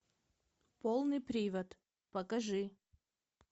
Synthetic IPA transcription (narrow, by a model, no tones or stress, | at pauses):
polˠnɨjpɾʲivət̪ | pɐkɐʐɨ